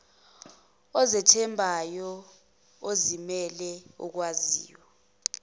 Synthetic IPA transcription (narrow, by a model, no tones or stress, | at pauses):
ɔzɛtʰɛmbʱajɔ | ozimɛlɛṵk̬wazḭːwɔ